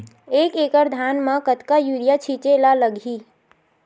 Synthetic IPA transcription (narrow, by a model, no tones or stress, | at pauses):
eːkeːkəɾd̪ʱaːnmãkət̪kajuːɾijat͡ʃʰit͡ʃelaləɡʱiː